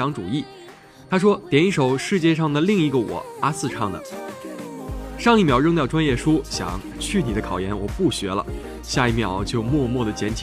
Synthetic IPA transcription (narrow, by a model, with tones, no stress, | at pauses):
ɑ˧˥ŋʈ͡ʂu˨˩i˥˩ | t̪ʰa˥ʂwɔ˥t̪jɛ˨˩ni˥˩ʂo˨˩ʊʂɻ̩˥˧t͡ɕjɛ˥˧ʂ̬ɑ˥˩ŋd̪ə˩li˥˧ŋi˧˥˩ɡə˨wɔ̰˨˩˦a˥sɹ̩˥˧ʈ͡ʂʰɑ˥˩ŋd̪ə̰˩ | ʂɑ˥˧ŋi˥˩mjɑ˧˥ʊɻɤ˥˧ŋt̪jɑ˥˩ʊʈ͡ʂwa˥njɛ˥˩ʂu˥ɕjɑ̰˨˩˦ŋ | t͡ɕʰy˥˩ni˨˩d̪ə˦kʰɑ˨˩ʊjɛ˧˥nwɔ˨˩pu˥˩ɕɥɛ˧˥lə̰˧ | ɕja˥˧i˥˩mjɑ˧˥ʊt͡ɕjo˥˧ʊmwɔ˥˧mwɔ˥˩d̪ə˩t͡ɕjɛ˧˥nt͡ɕʰ